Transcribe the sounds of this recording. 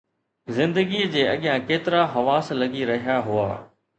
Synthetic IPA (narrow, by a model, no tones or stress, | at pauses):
zɪ̃nd̪əɡid͡ʑeːɐɠɪjãkeːt̪ɪɾaɦɐʋaːslɐɡiɾɐɦijaɦʊa̰ː